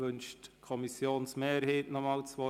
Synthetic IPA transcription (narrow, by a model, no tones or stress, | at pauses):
ɵnʃtkʰɔmisjoːnsmeːɾheːtnɔmɑːlt͡sʋɔ